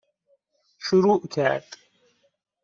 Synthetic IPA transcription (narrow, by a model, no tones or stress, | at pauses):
ʃuɾuːʔkʲʰæ̰ːtʼ